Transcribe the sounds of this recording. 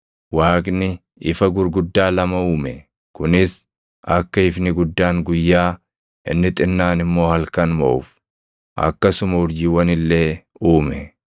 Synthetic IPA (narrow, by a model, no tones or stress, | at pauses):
waːkʼnɪ | ɪfɐɡʊɾɡʊd̪ːaːlɐmɐuːmɛ | kʊnɪs | ʔɐkːɐɪfnɪɡʊd̪ːaːŋɡʊjːaː | ʔɪ̰nːɪt̪ʼɪnːaːnɪmːo̞ːhɐlkɐnmɐ̰ʔʊf | ʔɐ̰kːɐsʊmɐʊɾd͡ʒɪːwɐnɪlːe̞ːuːmɛ